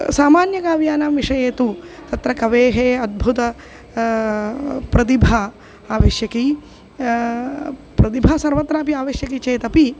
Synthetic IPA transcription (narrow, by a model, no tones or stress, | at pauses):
saːmaːnjɐkaːʋjaːnamʋiʂɐjeːt̪ut̪ɐt̪ɾɐkɐʋeːɦeːɐd̪̚bʱut̪ɐ | pɾɐt̪̬ibʱa | aːʋeːʃjɐki | pɾɐt̪ibʱasɐɾʋɐt̪ːɾaːpiaːʋɐːʃjɐkit͡ʃeːt̪ɐpi